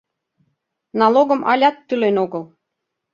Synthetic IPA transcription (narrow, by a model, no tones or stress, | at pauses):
nɑloɣɤ̆mʔɑ̰lʲɑt̪ːylenoɣɤ̆lˠ